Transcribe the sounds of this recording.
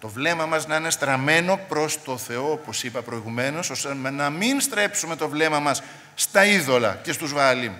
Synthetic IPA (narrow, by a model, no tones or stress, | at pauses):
t̪o̞vle̞mɐmɐznɐine̞st̪ɾɐme̞no̞pɾo̞st̪o̞θe̞o̞opo̞sipɐpɾo̞iɣume̞no̞sosemenɐminst̪ɾe̞psume̞t̪o̞vle̞mɐmɐsː | t̪ɐiðo̞lɐ̰ce̞st̪uzvɐlim